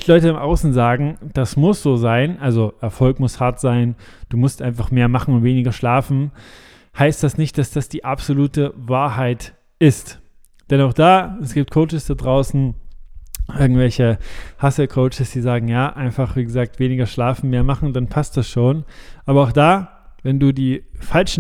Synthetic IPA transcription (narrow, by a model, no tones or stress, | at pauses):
lɔʏtəɪmʔaʊsn̩zaːɡŋ̩d̥asmʊsz̥oːzaɪnʔalzoʔɛɐfɔlkmʊshaɐtz̥aɪnd̥uːmʊstʔaɪnfaχmeːɐmaχn̩ʊntveːnɪɡɐʃlaːfn̩ | haɪst̚d̥asnɪçt̚d̥asd̥asd̥iːʔapz̥oluːtəvaːɐhaɪt | ʔɪst | d̥ɛnaʊχd̥aːɛsɡ̥iːp̚tkʰoʊt͡ʃəsd̥adʁaʊsn̩ | ʔɪɐɡŋ̩tv̥ɛlçəhasəkʰoʊt͡ʃəsd̥iːzaːɡŋ̩jaːʔaɪnfaχv̥iːɡəzaːk̚tv̥eːnɪɡɐʃlaːfn̩meːɐmaχn̩danpʰast̚d̥asʃoːnʔaːbɐaʊxd̥aː | vɛnduːdiːfalʃn̩